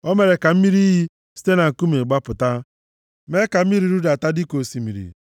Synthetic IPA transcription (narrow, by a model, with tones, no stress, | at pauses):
o˦me˨ɾe˨ka˨m̩˦mi˦ɾi˦ɦi˦ | si̥˦te˦na˨ŋ̩˨ku˦me˨ɡ͡ba˦pʊ˨ta˦ | me˦ka˨m̩˦mi˦ɾi˦ɾu˦da˨ta˦di˦ko˨si˨mi˨ɾḭ˨